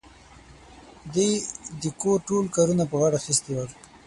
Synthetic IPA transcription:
d̪ed̪əkoʈolkaɾunapəɣaɽaxist̪iwal

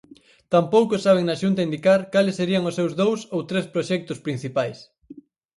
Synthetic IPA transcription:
t̪ampowkʊsaβ̞eŋnɐʃunt̪aind̪ikaɾkalɪsːeɾiɐŋʊsːewzðowsowt̪ɾespɾoʃɛk̚t̪ʊspɾin̟θipajs

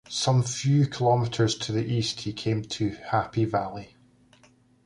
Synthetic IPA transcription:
sʌ̃ɱfjʉːkʰəlˠɔmɪʔə˞z̥tʰəðiʔisthikʰẽmtʰəhapivalˠi

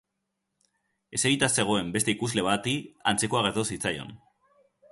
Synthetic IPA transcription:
e̞se̞ɣit̪ase̞ɣ̞o̞e̞mbe̞st̪e̞ikuzle̞βat̪iant͡se̞ko̞aɣ̞e̞ɾt̪osit͡sajo̞̰n

